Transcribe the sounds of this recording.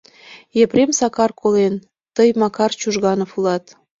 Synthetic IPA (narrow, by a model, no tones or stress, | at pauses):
jepremsɑkɑrkolen | t̪əjmɑkɑrt͡ɕuʒɣɑnofulɑt̪